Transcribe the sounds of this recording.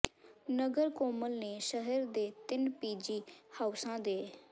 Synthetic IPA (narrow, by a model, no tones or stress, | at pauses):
nəɡəɾkoːməlneːʃəɦəɾd̪eːt̪ɪnpiːd͡ʒiːhəːʊsãːd̪eː